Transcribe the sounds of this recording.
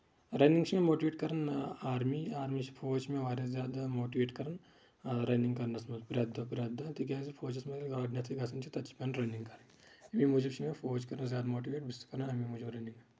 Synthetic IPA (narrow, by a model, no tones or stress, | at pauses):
ɾɐːnĩŋɡt͡ʃʰimẽmoːʈiʋeːʈkɐɾɐnaːɾmiaːɾmit͡ʃpʰoːt͡ʃʰmẽʋaːɾɐzjaːd̪amoːʈiʋeːʈkɐɾɐn | ɾɐːnĩŋɡkɐɾnɐsmɐzpɾaːd̪ɐpɾaːd̪at̪ikʲjaːsipʰoːd͡ʒɐsmɐzlɡaːɖnɐt̪ʰiɡɐsʰɐnt͡ʃʰit̪ɐt͡ʃʰi̥pɐnɾɐnĩŋɡkɐɾɐ | ɐmimuːd͡ʒibt͡ʃʰimepʰoːd͡ʒkɐɾnzjaːd̪amoːʈ̬iʋeːʈbɪskɐɾnaɐmimud͡ʒibɾɐnĩŋɡ